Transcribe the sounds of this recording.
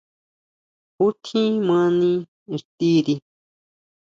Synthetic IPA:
hu˦t̪ʰĩ˦mã˦nĩ˧ | i˨t̪i˦ɾi˧

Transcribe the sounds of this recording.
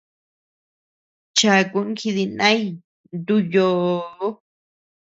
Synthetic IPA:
t͡ʃa˧˨˧ku˧ʔŋ˦kʰi˧ði˧nã˦i˦˧ | nd̪u˦jo˧˦

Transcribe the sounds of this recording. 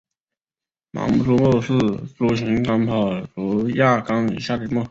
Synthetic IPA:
mɑ̰˧˥mu˥˩ʈ͡ʂu˥mo˥˧ʂɹ̩˥˩ʈ͡ʂu˧˥ɕi˧˥ŋkɑ˥ŋpʰɑ˨˩ʊʈ͡ʂu˧˥ja˥˩kɑ˥ŋḭ˨˩ɕja˥˩li˥˩mo˥˧˩

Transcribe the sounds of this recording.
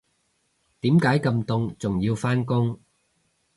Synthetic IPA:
t̪iː˨˥mkaː˨˥jkɐ˧mt̪ʊ˧ŋt͡sʊ˨ŋjiː˧wfaː˥nkʊ˥ŋ

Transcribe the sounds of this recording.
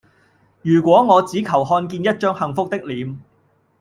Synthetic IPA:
jyː˨˩kʷɔː˨˥ŋɔː˨˧t͡siː˨˥kʰɐ˨˩wɦɔː˧nkiː˧njɐ˥t̚t͡ʃœː˥ŋhɐ˨˧ŋfʊ˥k̚t̪ɪ˥k̚liː˨˥m

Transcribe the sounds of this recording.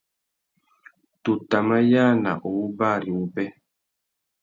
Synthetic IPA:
tu˨ta˨ma˦ja˦na̰˨ʔo˨u˦ba˦˨ɾi˨u˦pɛ˦

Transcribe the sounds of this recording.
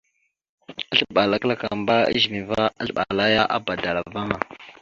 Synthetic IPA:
a˦ɬɓa˨la˦kla˦˨ka˨mba˦ə̰˦ʒmi˨va˦a˦ɬɓa̰˨la˦ja˦ʔa̰˨ba˨da˨la˨va˦ŋa˨

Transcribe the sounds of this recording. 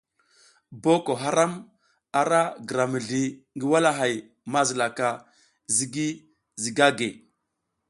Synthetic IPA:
bo˦ko˨ɦa˦ɾa˦m | a˨ɾa˦ɡə˨ɾa˨mi˨ɮi˨ | ŋɡi˦wa˦la˦ɦa˨j | ma˦zi˨la˨ka˨ | zi˦ɡi˦ | zi˨ɡa˦ɡe˨

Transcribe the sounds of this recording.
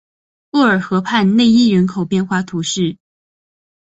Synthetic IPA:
u˥˩ə˞˨˩xɤ˧˥pʰa˥˧nne˥˧ɪi˥ɥɛ˧˥nkʰo˨˩ʊpjɛ˥˧nxwa˥˧t̪ʰu˧˥ʂɻ̩˥˩

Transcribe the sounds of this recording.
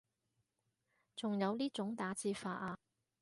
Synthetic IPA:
t͡sʊ˨ŋjɐ˨˧wliː˥t͡sʊ˨˥ŋt̪aː˨˥t͡siː˧faː˧ʔaː˧

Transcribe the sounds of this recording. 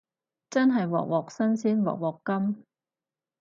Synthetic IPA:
t͡sɐ˥nɦɐ˨jwɔ̰ː˨k̚wɔː˨k̚sɐ˥nsiː˥nwɔ̰˨k̚wɔː˨kːɐ˥m

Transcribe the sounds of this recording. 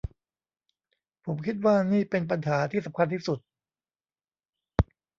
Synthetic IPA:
pʰo˩˦mkʰi˦˥t̪̚waː˥˩niː˥˩pe˧np̬a˧nɦaː˩˦t̪ʰiː˥˩sa˩˦mkʰa˧nt̪iː˥˩su˨˩t̪̚

